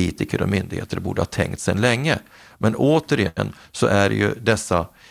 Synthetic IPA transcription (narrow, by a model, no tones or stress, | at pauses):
iːt̪ɪkəɾɔmʏnd̪ɪɡhḛːt̪əɾbuːɖəhɑːt̪ʰɛŋkt̪sɛnlɛŋːə | mɛnoːt̪əɾɪənːsɔʔæɾjɵd̪ɛsːa